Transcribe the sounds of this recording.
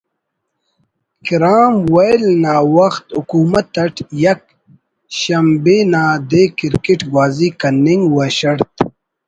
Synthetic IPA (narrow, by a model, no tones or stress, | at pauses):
kiɾaːmwɐjlnaːwɐxt̪ukuːmɐt̪ːɐʈjɐk̚ | ɕɐmbeːnaːd̪eːkiɾkiʈɡwaːzikɐniŋɡwɐɕɐɾt̪̚